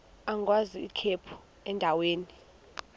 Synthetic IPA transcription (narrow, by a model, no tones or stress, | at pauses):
aŋwaziːkʰepʰu̥ | ɛndʱaweːni